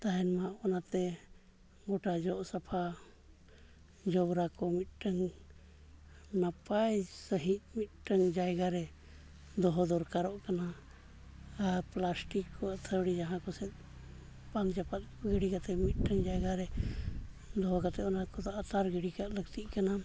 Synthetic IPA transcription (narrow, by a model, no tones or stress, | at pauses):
t̪aɦɛnmaʔɔnat̪ɛ | ɡɔʈad͡ʒɔʔsapʰa | d͡ʒɔbɾakɔmit̪̚ˀʈəŋ | napajsəɦit̪̚mit̪̚ʈəŋd͡ʒajɡaɾɛ | d̪ɔɦɔd̪ɔɾkaɾɔʔkana | ɾplasʈikːɔat̪ʰəwɽid͡ʒaɦãkɔsɛt̪̚ | paŋd͡ʒapat̪̚ɡiɽikat̪ɛmit̪̚ʈəŋd͡ʒajɡaɾɛ | d̪ɔɦɔkat̪ɛɔnakɔt̪aʔat̪aɾɡiɽikaʔlək̚t̪iʔkana